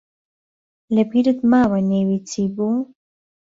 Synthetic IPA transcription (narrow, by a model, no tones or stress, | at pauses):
lebiɾət̪maβanewit͡sibu